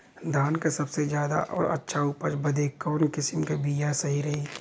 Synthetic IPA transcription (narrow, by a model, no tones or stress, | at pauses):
d̪ʱaːnkasɐbsezjaːd̪a̰ʔɔ̰ːɾʔɐ̰tːʃʰauːpəɾbɐd̪eːkːɔːnkɪsɪmkabijasɐɦiɾɐɦiː